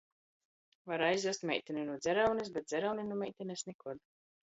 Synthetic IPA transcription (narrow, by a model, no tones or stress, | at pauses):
vaɾajzd̪ust̪mʲɛ̰jt̪ʲɛninud̪zʲɛɾawnis̬bʲɛt̪̚zʲɛɾawninumɛjt̪ʲɛnesnɛkuɔd̪